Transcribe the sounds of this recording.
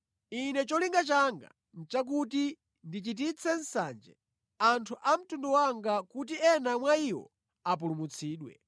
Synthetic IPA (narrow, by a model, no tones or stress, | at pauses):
inɛt͡ʃɔliŋɡat͡ʃaŋɡa̰ | n̩t͡ʃak̬uti | ndit͡ʃitit͡sʰɛn̩sa̰nd͡ʒɛ̰ | antʰuʔam̩tunduwaŋɡakut̬iɛnamwaiwɔ̰ | ap̬ulumut͡sʰiːɗwɛ̰